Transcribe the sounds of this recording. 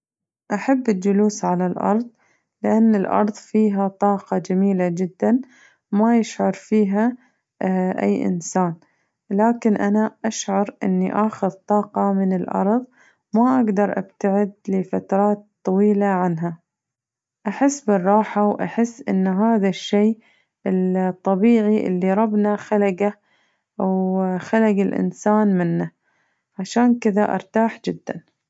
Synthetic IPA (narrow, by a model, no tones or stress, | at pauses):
ʔaħabːɪld͡ʒʊluːsʕalalʔɑ̰ɾˤðˤ | lɪʔanːɪlʔɑ̰ɾˤðˤfiːɦat̪ˤɑːqɑd͡ʒamiːlad͡ʒɪd̪ːan | majɪʃʕɑɾˤfiːɦa | ʔa̰jːʔɪ̰nsaːn | laːkɪnʔanaʔaʃʕɑɾʔɪ̰nːḭʔaːxɪðt̪ˤɑːqɑmɪnɪlʔɑ̰ɾˤðˤ | maʔaɡd̪ɑɾˤʔa̰b̥t̪aʕɪd̪lɪfat̪ɾˤɑːt̪ˤːɑwiːlaʕanɦa | ʔaħɪsːbɨrˤːɑːħawʔa̰ħɪsːʔɪ̰nːɦaːðaʃːeː | ɪlt̪ˤːɑbiːʕiʔɪ̰lːiɾˤɑbnaxalaɡa | wxalaɡɪlʔɪ̰nsaːnmɪnːa | ʕaʃaːnkɪðaʔɑ̰ɾˤt̪aːħd͡ʒɪd̪ːa̰n